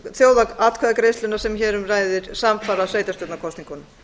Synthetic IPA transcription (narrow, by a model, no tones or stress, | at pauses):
θjoːwðaat̪kʰvɛðakɾejst̪ʏnasɛmçɛːɾʏmraːjðɪɾ̥samfaːɾasveːjt̪ast̪owt̪nakʰɔst̪niŋkʏn